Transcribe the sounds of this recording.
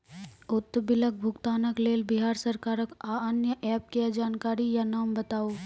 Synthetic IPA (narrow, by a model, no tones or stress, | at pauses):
ʊt̪ːbɪlək̚bʱʊkt̪aːnəkleːlbɪɦaːɾsɐɾkaːɾəkaənjəʔɛːp̚kiad͡ʒaːnkaːɾijanaːmbɐt̪aːoː